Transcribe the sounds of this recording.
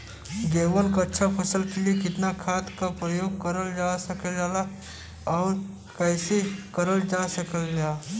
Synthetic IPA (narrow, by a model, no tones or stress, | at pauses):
ɡeːʋənkaɐtːʃʰapʰɐsəlkeliekɪt̪nakʰaːt̪kapɾəjoːɡ̚kɐɾəld͡ʒaːsəkəld͡ʒaːla | ɔːɾ | kɛːsekəɾəld͡ʒaːsəkəld͡ʒaː